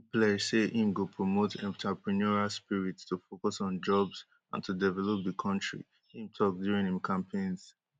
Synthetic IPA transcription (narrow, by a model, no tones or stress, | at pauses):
pleseʔĩmɡopʰɹomotʰɛ̰̃ntʰapɹɛnɔɹalspiɹitstufokɔsɔn̩d͡ʒɔbz | ã̰ntʰudɛvɛlop̚ðəkʰɔ̃ntɹḭ | hĩmtʰɔk̚djuɹĩŋnĩmkʰãmpʰẽnz̥